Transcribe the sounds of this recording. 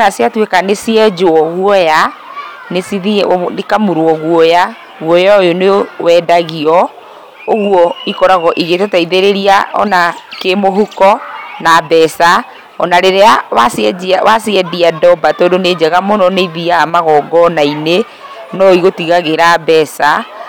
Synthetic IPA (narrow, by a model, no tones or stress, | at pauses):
nasjatwekanesiɛd͡ʒoɔɣwɔja | nesiðinekamuɾwɔɣwɔja | ɣwɔjaojonewɛdaɣiɔ | oɣwɔikɔɾaɣɔʔiɣetetaiðeɾeɾiaɔ̰nakemoɦukɔnabɛsa | ɔnaɾeɾeawasjɛawasiɛdiadɔbatɔːdoned͡ʒɛɣamonɔneiðiamaɣɔːɡɔnaine | nɔiɣotiɣaɣeɾabɛsa